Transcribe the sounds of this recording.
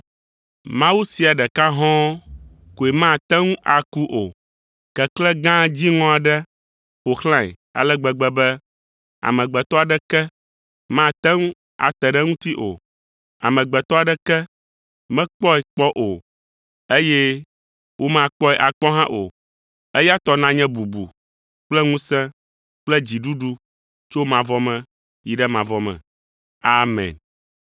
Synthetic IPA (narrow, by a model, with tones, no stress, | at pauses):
mã˦wu˦si˨a˨ɖɛ˨ka˦ɦɔ̃˦ | ko˨e˨mã˦˨t̪ɛ˦ŋũ˦ʔa˨ku˦ʔo˨ | kɛ˨klɛ˦ɡã˦d͡ʑi˦ŋɔ̃˦a˨ɖɛ˦ | o˨xlã˦ɛ̰˨ | a̰˨lɛ˦ɡ͡bɛ˨ɡ͡bɛ˨bɛ˦ | a̰˨mɛ̃˨ɡ͡bɛ˨t̪ɔ˦a˨ɖɛ˦kɛ˦ | mã˦˨t̪ɛ˦ŋũ˦ | a̰˨t̪ɛ˨ɖɛ˦ŋũ˦t̪i˦ʔo̰˨ | a̰˨mɛ̃˨ɡ͡bɛ˨t̪ɔ˦a˨ɖɛ˦kɛ˦ | mɛ̃˦k͡pɔ˦ɛ˨k͡pɔ˦ʔo˨ | e˦jɛ˦ | wʔo˦mã˦˨k͡pɔ˦ɛ˨ʔa˨k͡pɔ˦ɦã˦ʔo˨ | e˦ja˦t̪ɔ˦nã˦ɲɛ̃˦bu˨bṵ˨ | k͡plɛ˦ŋũ˦sɛ̃˦ | k͡plɛ˦d͡ʑi˨ɖu˦ɖu˦ | t͡ʃo˦mã˨vɔ˦mɛ̃˨ | ji˨ɖɛ˦mã˨vɔ˨mɛ̰̃˨ | a˦mɛ̰̃˨n